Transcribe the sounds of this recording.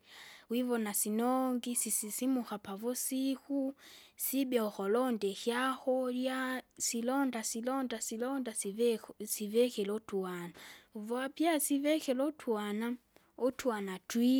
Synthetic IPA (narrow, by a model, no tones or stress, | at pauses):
wivɔnasinɔŋɡisisisimuxapavusixusibɛɔxɔlɔndɛxjaxɔljasilɔndasilɔndasilɔnda | sivɛxɛlɔtuanauvɔapjasivɛxɛlɔtʰuana | otʰuanatwi